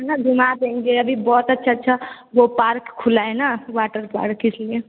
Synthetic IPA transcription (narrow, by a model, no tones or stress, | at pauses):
nəbimad̪ẽŋɡeəbʱibɔɦt̪ətːʃʰatːʃʰa | ʋopaɾkkʰːulaenawaʈəɾpa̰ɾkːisʰlie